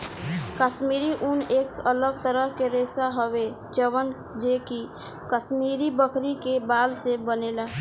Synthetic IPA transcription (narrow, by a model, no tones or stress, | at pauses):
kəʃmiːɾiʔuneːkələɡ̚t̪əɾəɦkeɾeːsaɦowe | t͡ʃəwən | d͡ʒeːki | kəʃmiːɾibəkʰɾikebaːlsebəneːlaː